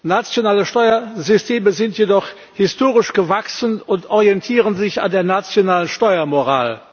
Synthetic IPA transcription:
nat͡sjonaːləʃtɔʏɐzʏstʰeːməzɪntʰjedɔχ | hɪstoːʁɪʃɡ̥əvaksənʊntʔɔʁiɛntʰiːʁənzɪça̰ndeːɐnat͡sjonaːlənʃtɔʏɐmoʁaːl

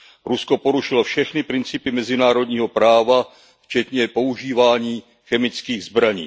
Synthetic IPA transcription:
ɾusko̞po̞ɾuʃɪlofʃɛxnɪpɾɪnt͡sɪpɪmɛzɪnaːɾo̞dɲiːɦo̞pɾaːva | ft͡ʃɛt̪ɲɛpo̞uʒiːvaːɲiː | xɛmɪt͡skiːɣzbɾaɲḭː

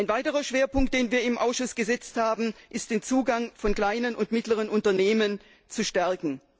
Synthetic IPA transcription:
aɪnvaɪtəʁɐʃv̥eːɐpʊŋk̚t̚d̥eːnviːɐɪmʔaʊsʃʊsɡ̥əzɛt͡sthaːbm̩ʔɪstd̥eːnt͡suːɡaŋfɔnkl̥aɪnənʊntmɪtləʁ̞ənʊntɐneːmən | t͡suʃtɛɐkŋ̩

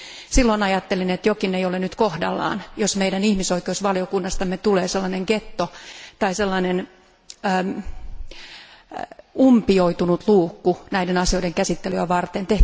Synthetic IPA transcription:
silːoinɑjɑt̪ːelinet̪jokineijolenyt̪kohdɑ̰lːɑ̰ːnjosmeijdænihmisoikeusʋɑlijokunːɑst̪ɑmːet̪uleːselːɑneŋket̪ːot̪ɑiselːɑinenː | umpioit̪unut̪luːkːunæidenɑsio̞ideŋkæsit̪ːelyæʋɑrt̪ent̪eh

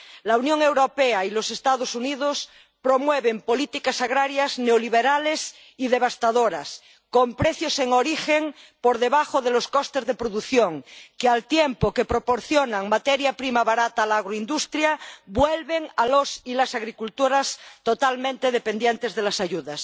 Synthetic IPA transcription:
launjoŋewɾopeailosest̪aðosuniðos | pɾomweβempo̞lit̪ikasaɣɾaɾjazneoliβeɾales | iðe̞β̞ast̪aðoɾa̰s | kompɾeθjoseŋoɾixeŋpoɾðeβaxoðeloskost̪e̞zðepɾoðuθjoŋkealt̪jempokepɾopoɾθjonaŋmat̪eɾjapɾimaβaɾat̪alaaɣ̞ɾoind̪ust̪ɾjabwelβeŋalosilasaɣɾikult̪uɾast̪ot̪almẽnt̪eðepend̪jent̪ezðelasaʝuðas

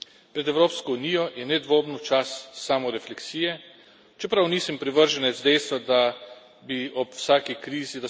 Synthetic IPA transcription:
pɾɛd̪ɛwɾoːpskɔunijɔjɛnɛd̪ʋoːbnɔt͡ʃasːaːmɔɾɛflɛksiːjɛ | t͡ʃɛpɾawniːsɛmpɾiʋəɾʒɛnɛzd̪ɛjst̪ʋad̪a | biɔpwsaːkikɾiːzid̪a

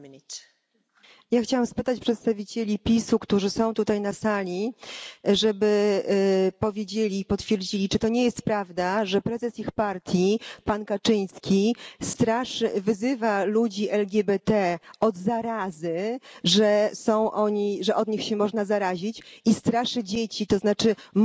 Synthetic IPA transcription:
jaxt͡ɕawamspɘt̪at͡ɕpʂɛt̪st̪avʲit͡ɕelʲipʲisukt̪uʐɘsɔ̃w̃t̪ut̪ajnasalʲi | ʐɛbɘ | pɔvʲjed͡ʑelʲipɔt̪fʲjɛɾd͡ʑilʲit͡ʂɨt̪ɔɲejɛst̪pɾavd̪aʐɛpɾɛzɛsixpaɾt̪ʲjipankat͡ʂɘɲ̃skʲist̪ɾaʂɘvɘzɘvalud͡ʑiʔɛlɡʲɛbɛt̪ɛɔd̪zaɾazɘʐɛsɔ̃w̃ʔɔɲiʐɛʔɔd̪ɲixɕɛmɔʐnazaɾaʑit͡ɕist̪ɾaʂɘd͡ʑet͡ɕit̪ɔznat͡ʂɘ

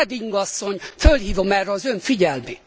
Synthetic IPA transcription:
ɛd̪iŋɡɒsːo̞ɲfølhiːvo̞mɛrːɛɒzøɱfiɟɛlmeː

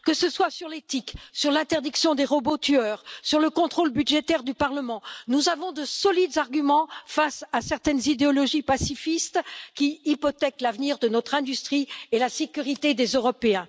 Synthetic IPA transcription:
kəsəswasyʁlet̪iksyʁlɛ̃t̪ɛʁd̪iksjɔ̃d̪eʁɔbot̪yœʁsyʁləkɔ̃t̪χolbyd̪ʒet̪ɛʁd̪ypaʁləmɑ̃nuzavɔ̃d̪əsɔlid̪zaʁɡʲymɑ̃fasasɛʁt̪ɛnzid̪eɔlɔʒipasifist̪kʲiipɔt̪ɛklavniʁd̪ənɔt̪χɛ̃d̪yst̪χielasekʲyʁit̪ed̪ezøʁɔpeɛ̃

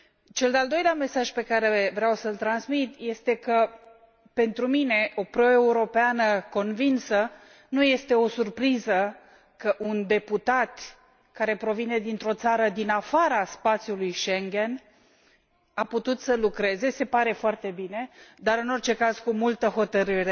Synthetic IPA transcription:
t͡ʃe̞ld̪eald̪o̞jleame̞saʒpe̞kaɾe̞vɾeawsəlt̪ɾanzmit̪je̞st̪e̞kə | pe̞nt̪ɾumine̞ʔo̞pɾo̞e̞uɾo̞peanəko̞nvinsə | nuje̞st̪e̞o̞surpɾizə | kəʔund̪e̞put̪at̪ | kaɾe̞pɾo̞vine̞d̪int̪ɾo̞t̪saɾəd̪inafaɾaspat̪sjulujʃeŋɡʲe̞n | aput̪ut̪səlukɾe̞ze̞se̞paɾe̞foart̪e̞bine̞d̪aɾɨno̞rt͡ʃe̞kaz̥kumult̪əɦo̞t̪əɾɨɾe̞

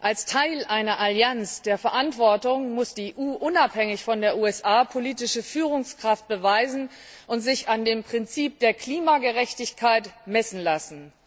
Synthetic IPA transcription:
ʔalstʰaɪlʔaɪnɐʔaljansd̥eːɐfɛɐʔantv̥ɔɐtʊŋmʊsd̥iʔuːʔʊnaphɛŋɪçfɔndeːɐʔuːɛsʔaːpʰoliːtɪʃəfyːʁ̞ʊŋskʁ̥aft̚b̥əvaɪzn̩ | ʔʊntz̥ɪçandeːmpʁ̥ɪnt͡siːp̚d̥eːɐkl̥iːmaɡəʁɛçtɪçkʰaɪtmɛsn̩lasn̩

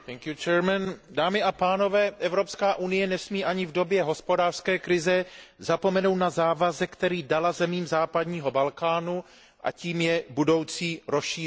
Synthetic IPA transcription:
t̪ɛŋkjut͡ʃɛɾmɛndaːmɪʔapaːno̞vɛːʔɛvɾo̞pskaːʔunɪjɛnɛsmiːʔaɲɪvdo̞bjɛɦo̞spo̞daːr̥skɛːkɾɪzɛzapo̞mɛnowt̪nazaːvazɛkt̪ɛɾiːdalazɛmiːmzaːpadɲiːɦo̞balkaːnu | ʔa̰ciːmjɛbudo̞wt͡siːɾo̞sʃiː

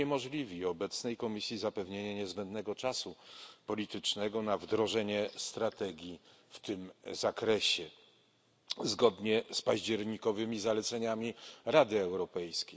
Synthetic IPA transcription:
ɛmɔʐlʲivʲiɔbɛt̪snɛjkɔmʲisʲjizapɛvɲeɲaɲɛzbɛnd̪nɛɡɔt͡ʂasupɔlʲit̪ɘt͡ʂnɛɡɔnavd̪ɾɔʐɛɲɛst̪ɾat̪ɛɡʲji | ft̪ɘmzakɾɛɕɛ | zɡɔd̪ɲɛspaʑd͡ʑɛɾɲikɔvɘmʲizalɛt̪sɛɲamʲiɾad̪ɘɛwɾɔpɛjskʲej

